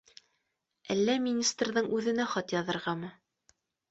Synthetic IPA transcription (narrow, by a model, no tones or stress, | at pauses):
ælːæmʲinʲist̪rðɤɴʉðɘ̆næχɒt̪jɑðɤ̆ɾʁɑmɤ